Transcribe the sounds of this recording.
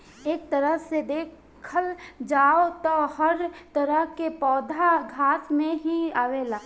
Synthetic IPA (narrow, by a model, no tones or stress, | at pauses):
eːk̚t̪əɾəsed̪eːk | kʰːəld͡ʒaːot̪ɔhəɾt̪əɾəɦkepɔːd̪ʱaɡʱaːsmẽɦiaːʋelaː